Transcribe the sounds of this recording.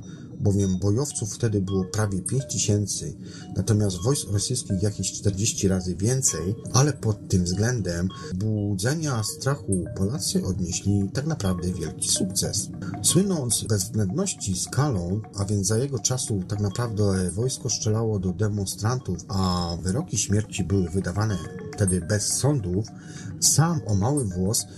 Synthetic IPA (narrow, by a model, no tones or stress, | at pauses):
bɔvʲjɛmbɔjɔft̪sufft̪ɛd̪ɘbɘwɔpɾavʲjɛpʲjeɲt͡ɕt̪ɘɕɛnt̪sɘ̰ | nʔat̪ɔmʲjast̪vɔjskɾɔsɘjskʲixjakʲeɕt͡ʂt̪ɛɾd͡ʑeɕt͡ɕiɾazɘvʲjɛnt̪sɛjalɛpɔt̪ːɘmvzɡlɛnd̪ɛm | bud̪zɛɲast̪ɾaxupɔlat̪sɘʔɔd̪ɲeɕlʲit̪aknapɾavd̪ɛvʲjɛlkʲi̥suk̚t̪sɛ̰sswɘnɔnt̪sbɛzːbnɛnd̪nɔɕt͡ɕiskʰalɔ̃w̃ʔavʲjɛnzajɛɡɔt͡ʂasut̪aknapɾavd̪ɛvɔjskɔʂt͡ʂɛlawɔd̪ɔd̪ɛmɔnst̪ɾant̪ufavɘɾɔkʲiɕmʲjɛɾt͡ɕibɘwɘvɘd̪avanɛft̪ɛd̪ɘbɛsːɔnd̪uf | samɔmawɘvwɔs